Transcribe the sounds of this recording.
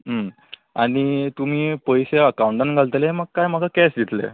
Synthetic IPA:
ɦə | aɽ̃it̪um̤iːpəjseəkauɳʈanɡʱalt̪eleeməɡ̚kajm̤əɡʱakɛsd̪it̪lḛ

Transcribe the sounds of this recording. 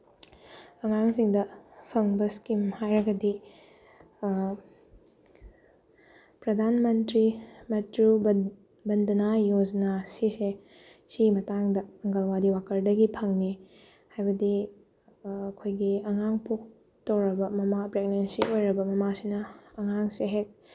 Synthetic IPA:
ɐŋaŋsiŋdɐpʰɐŋbɐskimhajɾɐɡɐdi | pɾɐd̪ʱanmɐntɾimɐtɾu | bɐndɐnajod͡ʒnasise | simɐtaŋdɐɐŋɡɐlwadiwakʰɐɾdɐɡipʰɐŋni | hajbɐdi | ɐkʰojɡiɐŋaŋpok̚ | tɐwɾɐbɐmɐmapɾeɡ̚nensiʔojɾɐbɐmɐmasinɐːŋaŋseɦek̚

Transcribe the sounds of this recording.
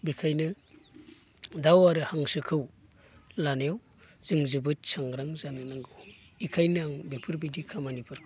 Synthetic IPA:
bikʰajnɯ | dawaɾɯhaŋsɯkʰɯw | lanejaw | z̥ɯŋzɯbɯt̚saŋɡɾaŋzanɯnaŋɡɯw | ikʰajnaŋbipʰɯɾbidikʰamanipʰɯɾkʰɯ

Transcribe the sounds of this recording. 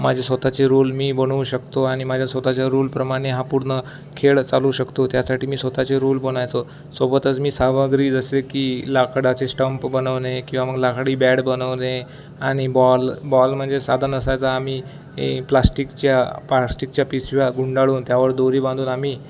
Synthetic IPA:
mad͡ʑʱesʋət̪at͡ɕeɾulmiːbənuɕəkt̪oaɽ̃imad͡ʑʱjasʋət̪at͡ɕjaɾulpɾəmaɽ̃eɦapuɽɳə | kʰeɭt͡saluɕəkt̪ot̪jasaʈʰiːmiːsʋət̪at͡seɾulbonajt͡so | sobət̪ət͡smiːsaməɡɾiːd͡zəsekiːlakʰɽat͡sesʈəmpbənəʋnekĩw̃ʋaməɡlakʰɽiːbæɽbənəʋne | aɽ̃ibɔlbɔlm̤əɳd͡zesad̪ʱanəsajt͡saːmiː | plasʈikt͡ɕjapasʈik̚t͡ɕjapisʋjaɡuɳɖaɭuːnt̪jaʋəɾd̪oɾiːbãnd̪uːnamiː

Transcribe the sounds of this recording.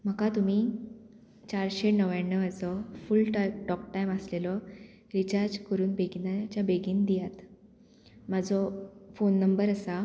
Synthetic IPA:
m̤əkat̪um̤iː | t͡ɕaɾɕenəʋjaɳːəad͡zɔfulʈʈɔkʈajməslelɔ | ɾit͡ɕaɾd͡zkəɾuːnbeɡinat͡ɕjabeɡiːnd̪ijat̪ | mad͡zɔfonːəmbəɾəsa

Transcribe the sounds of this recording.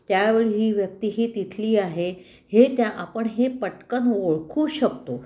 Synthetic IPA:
t̪jaʋeɭiɦiːʋjək̚t̪iːɦiːt̪it̪ʰliːaɦe | het̪jaʔapəɳɦepəʈkənoɭkʰuːɕək̚t̪o

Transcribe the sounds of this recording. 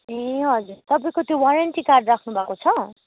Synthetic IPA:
ɦeɦʌd͡zuɾt̪ʌpaĩkot̪jowaɾeɳʈikarɖrakʰnubʱakot͡sʰʌ

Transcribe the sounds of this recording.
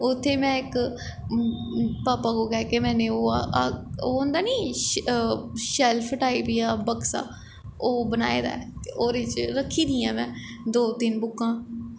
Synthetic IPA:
ʊt̪ʰːeːmɛ̃ːɪk | paːpaːɡoːkɛːkemɛ̃ːnẽːoːaoːʊnd̪aːniː | ʃɛlpʰʈaːiːpiːaːbəksa̰ː | oːbəna̰ːḛːd̪a̰ːɛoːɾet͡ʃɾəkʰːiːd̪ĩːãːmɛ̃ː | d̪oːt̪ɪnbʊkːãː

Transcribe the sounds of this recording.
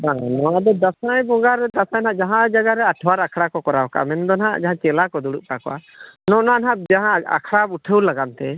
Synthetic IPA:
anɔwad̪ɔd̪asajbɔɡaɾɛd̪asajnaʔd͡ʒaɦãd͡ʒaɡaɾɛaʈʰwaɾakʰɽakɔkɔɾawkaʔa̰mɛnd̪ɔnɦa̰ʔd͡ʒaɦãt͡ʃɛlakɔd̪uɽuʔkakɔ̰ʔa̰ | nɔʔnanɦaʔ̚d͡ʒaɦãa̰kʰɽauʈʰəwlaɡant̪ɛ

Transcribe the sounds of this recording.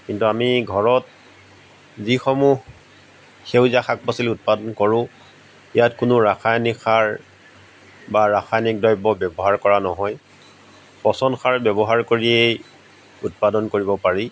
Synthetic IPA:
kintuamiɡʱɔɹɔt̚ | zixɔmuɦ | xewzaxak̚pɔsilut̚padɔnkɔɹʊ̃ | ijatkʊnʊɹaxʰajnikxaɹ | baɹaxʰajnik̚dɔjbɔbɛbɔɦaɹkɔɹanɔɦɔj | pɔsɔndxʰaɹbjɛbɔɦaɹkoɹiej | ut̚padɔnkoɹibɔpaɹi

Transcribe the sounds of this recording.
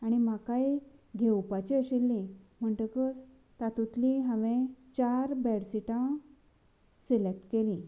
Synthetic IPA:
aɽ̃im̤akajɡʱewpat͡ɕiəɕilːĩm̤əɳʈəkət͡s | t̪at̪ũt̪liɦə̃ʋẽt͡ɕaɾbɛɽsiʈã | selek̚ʈkelĩ

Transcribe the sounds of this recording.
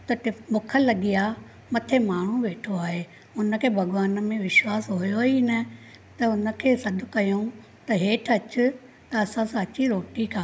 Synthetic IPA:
t̪ɐʈɪbʊkʰəlɐɡija | mɐt̪ʰemaːɳ̤ũʋeːʈʰoaːɦe | ʊnəkʰeːbʱɐɡʋaːnə̆mẽʋɪʃwaːsɦojoɦinə | t̪ɐʊnə̆kʰeːsɐd̪̆ʱkɐjõ | t̪ɐɦeːʈʰɐt͡ɕʊ̆ | t̪ɐɐsãsãɐt͡ɕiɾoːʈikʰãː

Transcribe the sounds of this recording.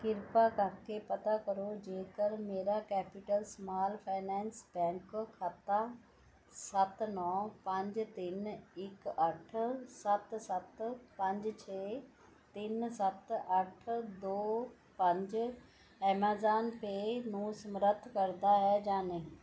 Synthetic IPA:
kɪɾpakãːkʰeːpɐt̪akɐɾod͡ʑeːkəlmeːɾakɛːpɪʈəlsmaːlfaːɪnɛ̃ːnsbɛ̃ːŋkkʰaːt̪a | sɐt̪nɔːpɐ̃ɲd͡ʑ̆t̪inɪkɐʈ̆ʰsɐt̪sɐt̪pɐ̃ɲd͡ʑ̆t͡ɕʰeː | t̪insɐt̪ɐʈʰd̪oː | pɐ̃ɲd͡ʑ | ɛːmaːzaːnpenũːsmɾət̪ʰkɐɾd̪aɦɛd͡ʑaːnẽː

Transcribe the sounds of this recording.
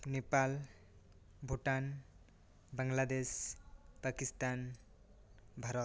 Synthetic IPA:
nepal | bʱuʈan | baŋlad̪espakist̪an | bʱʌɾʌt̪

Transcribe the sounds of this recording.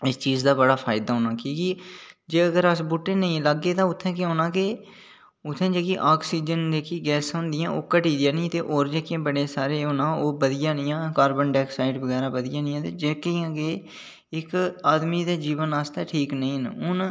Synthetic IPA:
ɪst͡ʃiːzd̪aːbəɽaːpʰaːɪd̪aːɦoːnãːkiːkiːd͡ʒeːəɡəɾəsbʊʈːẽːnəĩːləɡːeːt̪ãːʊt̪ʰːɛ̃ːk̬eɦoːnãːke | ʊt̪ʰːẽːd͡ʒeːkiʔaːksiːd͡ʒənd͡ʒ̪eːkiːɡɛːsɦʊ̃nd̪ɪjãːʔoːkəʈiːd̪ɪjãːnĩt̪eːʔoːɾd͡ʒeːkẽːbəɽeːsaːɾeːɦoːnãːoːbəd̪ɪjãːnɪjãːkaːɾbənɖɛːksaːɪɖbəɡɛːɾãːbəd̪ɪjãːnɪ̃jãːt̪eːd͡ʒeːkiːãːɡeː | ɪkaːd̪miːd̪aːd͡ʒiːʋənaːst̪ɛːʈʰiːknəĩːnʊn

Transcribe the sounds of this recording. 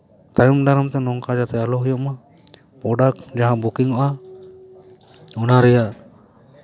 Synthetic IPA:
t̪ajumɖaɾamt̪ɛnɔŋkad͡ʒat̪ɛalɔɦujɔʔma | pɔɖakd͡ʒaɦãbukiŋɔʔa | unaɾɛjaʔ

